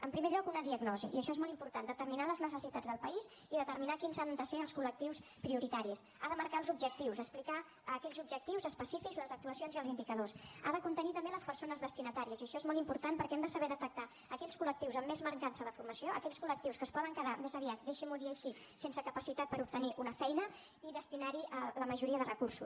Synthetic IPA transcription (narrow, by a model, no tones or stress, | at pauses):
əmpɾimeʎɔkunəðiəɡnɔzḭʔiəʃɔezmɔlˠt̪impuɾt̪and̪ət̪əɾminaləznəsəsit̪ad͡zd̪əlˠpəiz | iðət̪əɾminakinzand̪əseəlˠskulək̚t̪iwspɾiuɾit̪aɾis | aðəməɾkaəlzub̚ʒək̚t̪iwzəsplika | əːkɛʎzub̚ʒək̚t̪iwzəspəsifikzləzək̚t̪uəsionziəlˠzind̪ikəðosa̰ðəkunt̪ənit̪əmbeləspərsonəzðəst̪inət̪aɾiəziəʃɔezmɔlˠt̪impuɾt̪anpəɾkɛmd̪əsəβɛðət̪ək̚t̪a | əkɛʎskuləkt̪iwzəmːezməɾkansəðəfuɾməsioə̰kɛʎskulək̚t̪iwskəspɔðəŋkəðamezəβiat̪̚d̪eʃimuðiɛsi | sensəkəpəsit̪at̪̚pəɾup̚t̪əniʔunəfɛjnə | iðəst̪inaɾiʔələməʒuɾiəðərəkursu